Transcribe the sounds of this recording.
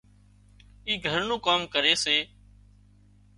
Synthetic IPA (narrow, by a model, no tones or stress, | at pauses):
iːɡʱəɾnũːkaːmkəɾeːseː